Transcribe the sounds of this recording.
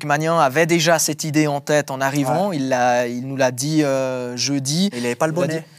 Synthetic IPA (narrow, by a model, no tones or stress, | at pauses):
kmanjɛ̃avɛd̪eʒasɛt̪id̪eɑ̃t̪ɛt̪ɑ̃naʁivɑ̃ilːailnulad̪iøʒød̪iilavɛpalbɔi